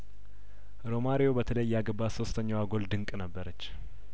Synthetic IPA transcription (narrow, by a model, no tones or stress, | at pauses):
ɾo̞maɾijo̞bət̪ʰələjːaɡəbaso̞st̪ʰəɲːawaɡo̞ld̪ɨŋkʼnəbːəɾət͡ʃː